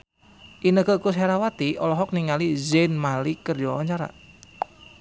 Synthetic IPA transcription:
ʔinəkəkus̬aɾawat̪iʔɔlɔɦɔk̚niŋalizɛnmalikərd͡ʒɔwɔɲt͡ʃaɾa̰

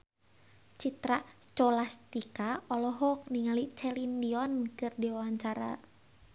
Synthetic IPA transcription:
t͡ʃit̪ɾat͡ʃɔlast̪ikaɔlɔɦɔk̚niŋalit͡ʃɛlindiɔnkɨrdiwawaɲt͡ʃaɾa̰

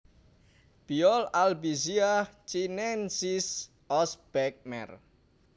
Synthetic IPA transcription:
b̥iɔlalbiziat͡ʃinɛnsis | ɔsb̥ɛk̚mɛ̰r

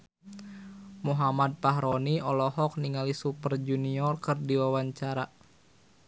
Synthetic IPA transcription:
muɦamad̪̚paɦɾɔniɔlɔɦɔk̚niŋalisupərd͡ʒuniɔrkɨrdiwawaɲt͡ʃaɾa

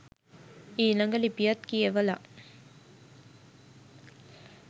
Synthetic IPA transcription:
iːlaŋɡəlipijɐt̪kijeʋəla

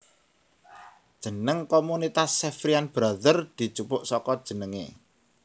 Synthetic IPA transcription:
d̥ʒ̥ə̤nəŋkomunit̪asːefɾianb̥ɾaðərd̪̥i̤t͡ʃupʊʔsɔkɔd̥ʒ̥ə̤nəŋḛ

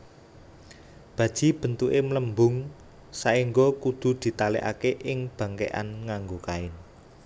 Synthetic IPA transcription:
b̥ä̤d̥ʒ̥i̤b̥ə̤nt̪uʔemləmbʊŋ | saiŋɡokud̪̥ṳd̪̥i̤t̪aleʔa̰keʔɪŋb̥ä̤ŋkḛʔa̰nŋaŋɡokaɪn

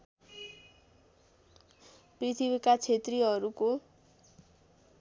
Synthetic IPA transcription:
prit̪ʰibikat͡sʰet̪riɦʌɾuko

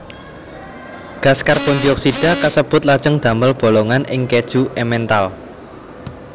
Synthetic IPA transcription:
ɡ̥askarpɔnd͡ʒiɔksiɖ̥a̤kəsəb̥ʊt̪̚lad̥ʒ̥əŋd̪̥ä̤mbəlb̥o̤lɔŋanʔɪŋked̥ʒ̥uʔɛmɛnt̪al

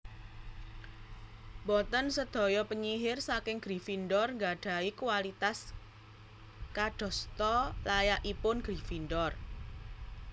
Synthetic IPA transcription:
bɔt̪ənsəd̪̥ɔ̤jɔpəɲiɦɪrsakɪŋɡ̥ɾi̤finɖɔrŋɡaɖ̥a̤ikuwalit̪as | kaɖ̪̥ɔ̤st̪ɔlajaʔipʊnɡ̥ɾi̤find̪ɔr

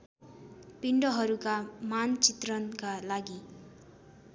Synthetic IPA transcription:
piɳɖʌɦʌɾukamant͡sit̪rʌnkalaɡi

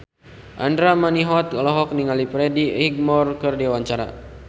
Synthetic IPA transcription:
ʔa̰ndɾamaniɦɔt̪̚lɔɦɔk̚niŋalipɾɛdiiɡ̚mɔrkərdiawaɲt͡ʃaɾa̰

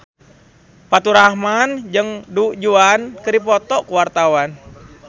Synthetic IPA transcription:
pat̪uɾahmand͡ʒɨŋduʔd͡ʒuankɨdipɔt̪ɔkuwart̪awan

